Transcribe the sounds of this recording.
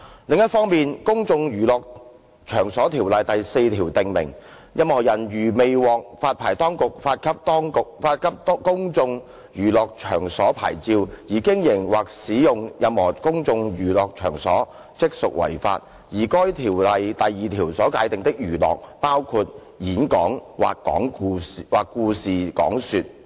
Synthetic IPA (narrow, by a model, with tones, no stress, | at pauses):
lɪ˨˧ŋjɐ˥t̚fɔː˥ŋmiː˨nkʊ˥ŋt͡sʊ˧ŋjyː˨˩lɔː˨k̚ | t͡ʃʰœː˨˩ŋsɔː˨˥t̪ʰiː˨˩wlɐ˨jt̪ɐ˨jse˧jt̪ʰiː˨˩wt̪ɪ˨ŋmɪ̰˨˩ŋ | jɐ˨˧mhɔː˨˩jɐ˨˩njyː˨˩me˨˧jwɔː˨k̚faː˧t̚pʰaː˨˩jt̪ɔː˥ŋkʊ˨k̚faː˧t̚kʰɐ˥p̚t̪ɔː˥ŋkʊ˨k̚faː˧t̚kʰɐ˥p̚t̪ːkʊ˥ŋt͡sʊ˧ŋ | jyː˨˩lɔː˨k̚t͡ʃʰœ̰ː˨˩ŋsɔː˨˥pʰa̰ː˨˩jt͡siː˧wjiː˨˩kɪ˥ŋjɪ˨˩ŋwaː˨k̚siː˨˥jʊ˨ŋjɐ˨˧mhɔː˨˩kʊ˥ŋt͡sʊ˧ŋjyː˨˩lɔː˨k̚t͡ʃʰœ̰ː˨˩ŋsɔː˨˥ | t͡sɪ˥k̚sʊ˨k̚wʔɐ̰˨˩jfa̰ː˧t̚ | jiː˨˩kɔː˥jt̪ʰiː˨˩wlɐ˨jt̪ɐ˨jːiː˨t̪ʰiː˨˩wsɔː˨˥kaː˨˥jt̪ɪ˨ŋt̪ɪ˥k̚jyː˨˩lɔ̰ː˨k̚paː˥wkʰuː˧t̚ | jiː˨˥nkɔː˨˥ŋwa̰ː˨kkɔ̰ː˨˥ŋ˧waː˨kːuː˧siː˨kɔ̰ː˨˥ŋsyː˧t̚